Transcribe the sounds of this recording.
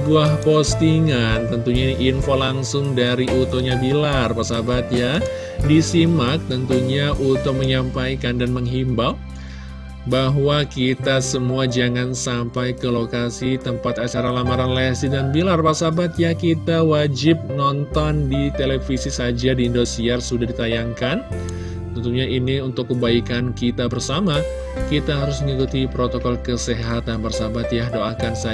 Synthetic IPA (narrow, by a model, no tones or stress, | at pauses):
buahpost̪iŋant̪ənt̪uɲainiʔːnfolaŋsʊŋdaɾiot̪oɲabilarpasabat̪̚ja | disimak̚t̪ənt̪uɲaʔut̪ʊk̚məɲampajkandanməŋɦimbal | baɦwakit̪asəmuad͡ʒaŋansampajkəlokasit̪əmpat̪at͡ʃaɾalamaɾanlɛsidanbilarbarsabat̪jakit̪awad͡ʒɪp̚nɔnt̪ɔndit̪elefisisad͡ʒadiːndosiarsudahdit̪ajaŋkan | t̪ənt̪uɲaʔiniunt̪ʊkːəbaikankit̪abərsama | kit̪aɦaɾʊsməŋikut̪ipɾot̪okɔlkəseɦat̪anbərsabat̪jahdoʔakansa